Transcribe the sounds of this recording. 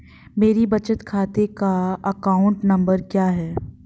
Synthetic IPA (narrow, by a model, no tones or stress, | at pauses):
meːɾibɐt͡ʃət̪kʰaːt̪ekaɐkaːʊ̃ɳʈnɐ̃mbəɾkjaːɦɛː